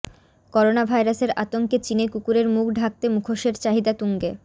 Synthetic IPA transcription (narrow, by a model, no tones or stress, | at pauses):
kɔɾonabʱajɾaseɾa̰t̪oŋket͡ɕinekukuɾeɾmukʰɖʱak̚t̪emukʰoʃeɾt͡ɕaɦid̪at̪uŋɡe